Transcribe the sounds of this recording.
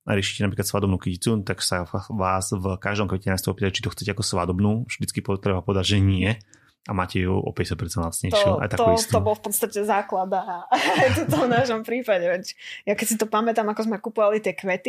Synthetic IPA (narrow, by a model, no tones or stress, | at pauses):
a̰ɾɪɛʃi̥cɛnap̬ɾiklat̪sʋad̪ɔbnuːkicit͡sut̪aksaʋaːzvkaʒd̪ɔmkʋɛcɛnajst̪ɔɔpiːaʒɛt͡ʃit̪ɔxt͡sɛcɛakɔsʋad̪ɔbnuːvʒ̥d̪it͡skipɔt̪ɾɛbapɔʋɛd̪aɟʒɛɲɪɛ | amaːcɛjṵʔɔ̰pɛɟɛsat̪pɛɾt͡sɛnlasɲɛjt̪ʃɔuʔa̰jt̪ak̪tɔt̪ɔbɔlfpɔt̪st̪acɛzaːklad̪aajt̪ɔt̪ɔvnaʃɔmpɾiːpaɟɛʋɛcjakɛcsit̪ɔpamɛt̪amakɔzmɛkupɔʋalit̪ɪɛkʋɛt̪i